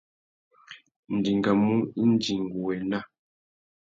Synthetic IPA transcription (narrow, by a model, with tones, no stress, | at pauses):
n̩˨di˨ŋɡa˨mu˦i˦n˦d͡ʒi˨ŋɡu˨wɛ˨na˦